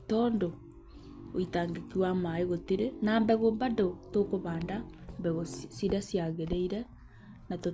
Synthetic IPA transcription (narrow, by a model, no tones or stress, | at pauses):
tɔːndo | oitaːŋɡekiwamaeɣoteɾenambɛɣombandotokoβaːndambɛɣosiɾasiaɣeɾeiɾɛ | nato